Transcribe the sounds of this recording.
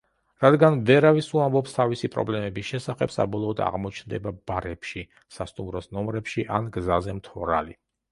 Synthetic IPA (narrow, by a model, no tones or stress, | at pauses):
ɾad̪ɡanvɛɾavisuambɔpst̪ʰavisipʼɾɔ̰blɛmɛbisʃɛsaχɛb̥sa̰bɔlˠɔːd̪a̰ʁmɔt͡ʃʰnd̪ɛbabaɾɛpʰʃi | sast̪ʼumɾɔsnɔmɾɛpʃiʔanɡzazɛmt̪ʰɔɾa̰li